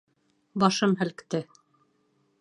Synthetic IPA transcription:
bɑʃɤmɦɘ̆lkt̪ɘ

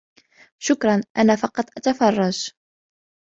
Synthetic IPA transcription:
ʃʊkɾˤɑnʔanaːfɑqɑt̪ˤːʔat̪afɑrˤːɑd͡ʒ

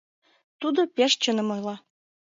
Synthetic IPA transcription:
t̪ud̪opʲeʃt͡ɕənɤ̆mɤjlɑ

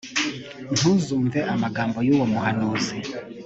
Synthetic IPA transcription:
ntʰuzuɱvɛʔamaɡaːmbɔjuwɔmuhanɔzi

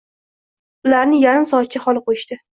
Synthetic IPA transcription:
ʊlaɾnɪjaɾɪmsɒat̪̚t͡ʃʰɪχɒlˠɪqʰojɪʃt̪ɪ

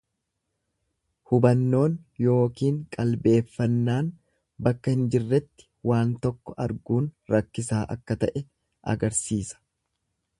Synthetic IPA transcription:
hʊbɐnːo̞ːnjo̞ːkiːŋkʼɐlbe̞ːfːɐnːaːn | bɐkːɐhɪnd͡ʒɪrːɛt̪ːɪ̥waːnt̪ɔkːɔʔɐɾɡuːnɾɐkːɪsaːʔɐ̰kːɐt̪ɐʔɛ | ʔɐ̰ɡɐɾsiːsɐ̥

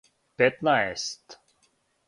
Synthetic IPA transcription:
pɛt̪naest̪

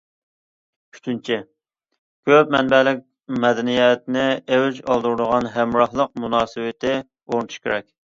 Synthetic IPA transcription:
y̥t͡ʃʰynt͡ʃʰɪ | kʲʰøp̚mɛnbɛlɪk̚ʲ | mɛd̪ɛnijɛt̪nɪewd͡ʒɑlˠd̪uɾd̪əʁɑnɦæmɾɑhlˠəq̚munɑːsɨwɪt̪ʰɪ | oɾnɨt̪ʰu̥ʃkʲeɾɛk̚ʲ

